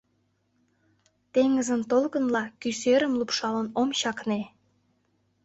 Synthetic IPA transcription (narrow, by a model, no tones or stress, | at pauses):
t̪eŋəzənt̪olkə̆nlɑkysøɾə̆mlupʃɑlənomɕɑkne